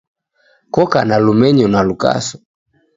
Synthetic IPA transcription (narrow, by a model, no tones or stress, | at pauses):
kɔkanalumɛɲɔnaluka̰sɔ̥